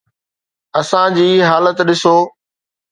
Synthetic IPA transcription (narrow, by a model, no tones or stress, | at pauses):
ɐsãd͡ʑiːɦaːlət̪ɗɪsoː